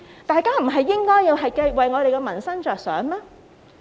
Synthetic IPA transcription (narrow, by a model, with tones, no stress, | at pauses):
t̪aː˨jkaː˥m̩˨˩ɦɐ˨jːɪ˥ŋkɔː˥jːiː˧wɦɐ˨jke˧jwɐ˨jŋɔː˨˧d̪e˨jkɛ˧mɐ˨˩nsɐ˥ŋt͡ʃœː˨k̚sœː˨˥ŋmaː˥